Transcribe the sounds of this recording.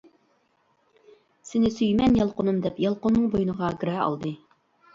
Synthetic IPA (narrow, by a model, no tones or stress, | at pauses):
sɪnɪsyjmɛnjɑlˠqʊnumd̪ɛpjɑlˠqʊnːɨŋbojunəʁɑɡɾɛɑ̰lˠd̪ɨ